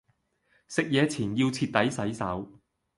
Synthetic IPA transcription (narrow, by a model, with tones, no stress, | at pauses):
sɪ˨k̚jɛː˨˧t͡sʰiː˨˩njiː˧wt͡sʰiː˧t̚t̪ɐ˨˥jsɐ˨˥jsɐ˨˥w